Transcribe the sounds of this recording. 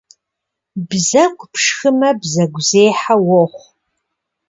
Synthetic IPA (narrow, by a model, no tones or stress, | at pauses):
bzɐkʷʰʼpʰʂxɨmɐbzɐɡʷzeːħawɔχʷ